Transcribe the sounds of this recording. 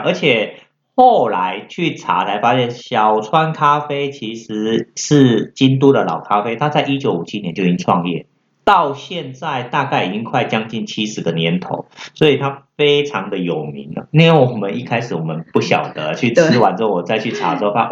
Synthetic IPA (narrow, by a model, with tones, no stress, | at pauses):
ə˞˧˥t͡ɕʰjɛ˨˩ | xo˥˩ʊla˧˦ɪt͡ɕʰy˥˩ʈ͡ʂʰa̰˧˥t͡sʰa˧˥ɪfa˥ɕjɛ˥˩nɕjɑ˨˩ʊt͡sʰwa˦nkʰa˥fe˥ɪt͡ɕʰi˧˥ʂɻ̩˧˥˦ʂɻ̩˥˩t͡ɕi˥nt̪u˥d̪ə˨lɑ̰˨˩ʊkʰa˥fe˥ɪt̪ʰa˥t͡sa˥˩ɪi˦˥t͡ɕjo˧˥ʊu˨˩t͡ɕʰi˦˥njɛ˧˦nt͡ɕo˥˧ʊi˥ŋʈ͡ʂʰwɑ̰˥˧ŋjɛ̰˥˩ | t̪ɑ˥˧ʊɕjɛ˥˧nt͡sa˥˧ɪt̪a˥˧ka˥˩ɪi˨˩t͡ɕi˥ŋkʰwa˥˩ɪt͡ɕjɑ˥ŋt͡ɕi˥˩nt͡ɕʰi˥ʂɻ̩˧˥d̪ə˧njɛ˧˦nt̪ʰo̰˧˦ʊswɔ˧˥i˨˩t̪ʰa˥fe˥ɪʈ͡ʂʰɑ˧˥ŋd̪ə˧jo˨˩ʊmḭ˧˦ŋlə˧i˥nwe˥˩wɔ˨˩mə˦ni˥˧kʰa˥ɪʂɻ̩˨˦wɔ˨˩mə˦npu˥˩ɕjɑ̰˨˩ʊd̪ə˦t͡ɕʰy˥˩t͡sʰɹ̩˧˥wa˨˦nt͡sə˥˩ŋwɔ˨˩t͡sa˥˧ɪt͡ɕʰy˥˩ʈ͡ʂʰa̰˨˥˦so˥˧a˥